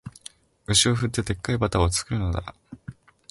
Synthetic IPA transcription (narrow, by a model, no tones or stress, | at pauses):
ɯ̟ɕio̞ɸɯ̟t̪ːe̞t̪e̞kːaibat̪aot͡sɨ̥kɯ̟ɾɯ̟no̞d̪a̰